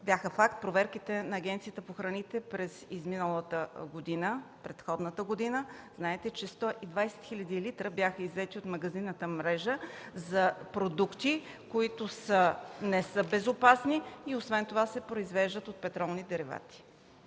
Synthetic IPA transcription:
bjaxəfak̚t̪̚pɾovɛɾkit̪ɛnɐːɡʲɛnt̪sijət̪əpoxɾɐnit̪ɛpɾɛzizminəlˠət̪əɡod̪inəpɾɛt̪xɔd̪nət̪əɡod̪inəznaɛt̪ɛt͡ʃɛst̪ɔʔid̪vajsɛ̥t̪xiʎʲɐd̪ilit̪ɾəbjaxəizvɛt̪iot̪mɐɡɐzinːət̪əmɾɛʒəzɐpɾod̪ukt̪i | koit̪ʊsənɛsɤbɛzopasniiosvɛnt̪ovasɛpɾoizvɛʒd̪ət̪ot̪̚pɛt̪ɾɔlˠnid̪ɛɾiva̰t̪i̥

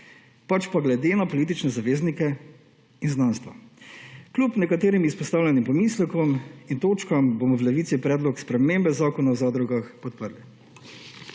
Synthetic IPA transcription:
pat͡ʃpaɡlɛd̪eːnapɔliːt̪̬it͡ʃnɛzaʋeːznikɛ | inznanst̪ʋa̰ | klʲupnɛkat̪eːɾimispɔst̪aːwlʲjɛnimpɔmislɛkɔmint̪oːt͡ʃkambomɔwlɛʋit̪sipɾɛːd̪lɔkspɾɛmembɛzaːkɔnawzad̪ɾuɡaxpɔt̪̚pəɾli

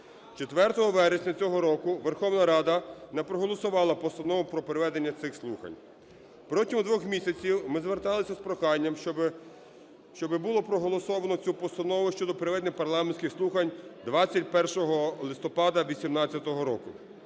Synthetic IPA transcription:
t͡ʃet̪ʋɛrt̪ɔɦɔʋɛɾesʲnʲɐt͡sʲɔɦɔɾɔkʊʋerxɔwnɐɾɑd̪ɐnɛpɾɔɦɔlˠɔsʊʋɑlˠɐpɔst̪ɐnɔʋʊpɾɔpeɾeʋɛd̪enʲːɐt̪sɪxslˠuxɐ̰nʲ | pɾɔtʲimʊd̪ʋɔxmʲisʲɐt͡sʲiwmɪzʋert̪ɑlˠɪsʲɐspɾɔxɑnʲːɐm | ʃt͡ʃɔbɪbʊlˠɔpɾɔɦɔlˠɔsɔʋɐnɔt͡sʲupɔst̪ɐnɔʋʊʃt͡ʃɔd̪ɔpeɾeʋɛd̪nɪxpɐrlˠɑmenʲsʲkʲɪxslˠuxɐnʲd̪ʋɑt͡sʲːɐtʲpɛrʃɔɦɔlˠɪst̪ɔpɑd̪ɐʋʲisʲimnɑt͡sʲːɐt̪ɔɦɔɾɔkʊ

